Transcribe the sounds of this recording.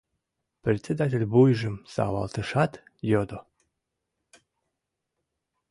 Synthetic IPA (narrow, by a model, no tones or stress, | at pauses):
pɾʲet̪sʲed̪at̪ʲalʲbujʒɨmsa̰va̰lˠt̪ɨʂat̪jɔd̪o